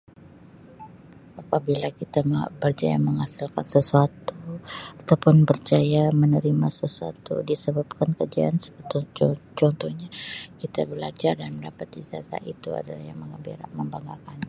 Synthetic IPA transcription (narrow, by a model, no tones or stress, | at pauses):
apabilakit̪amabərd͡ʒa̰ja̰məŋasilkansəsuat̪uat̪awpʊnbərd͡ʒajamənəɾimasəsua̰t̪ṵdisəbap̚kankəd͡ʒia̰nsə̥t̪t͡ʃɔnt̪ɔhɲakit̪abəlad͡ʒardanməndapat̪̚disiasa̰ʔit̪ua̰dalahja̰hməŋəbiɾaməmbaŋɡakan